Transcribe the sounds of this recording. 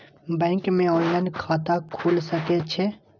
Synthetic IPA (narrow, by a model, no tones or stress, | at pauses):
bɛ̃ːŋkmẽɔːllə̃nɖkʰaːt̪akʰuːlsəket͡ʃʰɛ